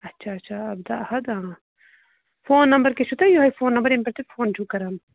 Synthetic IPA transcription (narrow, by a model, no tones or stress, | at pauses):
ɐtːt͡ʃʰaɐt͡ʃʰaɐbd̪aʔhɐd̪ã | foːnːɐmbɐɾkeʃut̪ɐjoɦɐjfoːnːɐmbɐɾempɐɾt̪efoːnt͡ʃʰukɐɾɐm